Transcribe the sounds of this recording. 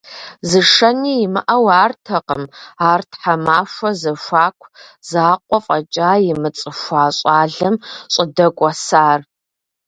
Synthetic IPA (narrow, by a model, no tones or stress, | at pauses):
zɨʂɐniːjɪmɨʔɐwaːrtʰɐqəmaːrtħamaːʃʷɔzɐʃʷaːkʷʰzaːqʷʼɔqʷʼɐt͡ʃʼaːjɪmɨt͡sʼɨʃʷaːɕʼaːɮɨmɕʼɪdɐkʷʼɔsaːr